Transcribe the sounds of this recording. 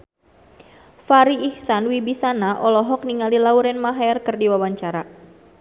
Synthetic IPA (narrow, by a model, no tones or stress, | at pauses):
faɾiihsanwibisanaʔɔlɔɦɔk̚niŋalilauɾɛnmaɦaɛrkɨrdiwawaɲt͡ʃaɾa